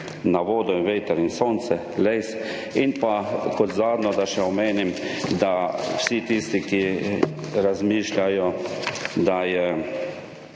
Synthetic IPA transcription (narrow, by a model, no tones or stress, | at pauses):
naʋoːd̪ɔʋeːt̪ɛɾinsoːnt̪sɛ | lejs | inpakɔt̪zaːd̪nɔd̪aʃɛɔmeːnimd̪awsit̪ist̪iki | ɾazmiːʃlʲajɔ | d̪ajɛ